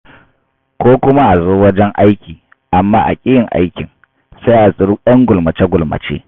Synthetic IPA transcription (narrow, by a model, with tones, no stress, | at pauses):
kʷoː˦kʷʊ˦ma˦ʔa˨zoː˦wɐ˦d͡ʒɛ˦ŋʔa˦jkʲiː˨ | ʔa˨mːaː˦ʔa̰˨kʲʼɪ˦jɪ˨ŋʔa̰˦jkʲɪ˨ŋ | sa˦jʔa˨sʼɪ˨ɾu˦ɗɐ˦ŋɡʷʊ˨lmɐ˨t͡ʃe˦ɡʷʊ˨lmɐ̰˨t͡ʃḛː˦